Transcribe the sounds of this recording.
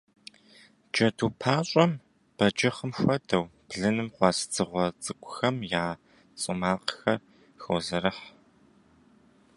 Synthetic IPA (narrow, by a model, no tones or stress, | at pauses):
d͡ʒɐduːpʰaːɕʼɐm | b̥ɐd͡ʒɪχəmxʷɐdɐwb̥ɮɨnɨmqʷɑst͡sʰɨʁʷɔt͡sʼɨkʷʼʊxɐmjaː | t͡sʼɨmaːqxɐr | xozɐɾɐħ